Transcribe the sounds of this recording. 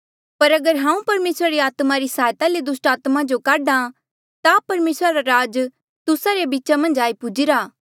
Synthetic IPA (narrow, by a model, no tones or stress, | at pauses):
pɐɾɐɡəɾɦãːũpɐɾmeːsɾaɾeaːt̪maɾisaːjt̪aled̪ʊsʈaːt̪mad͡ʒokaːɖã | t̪apɐɾmeːsɾaɾaɾaːd͡ʒ | t̪ʊsaɾebitːt͡ʃamɐ̃nd͡ʒaːipʊd͡ʒiɾaː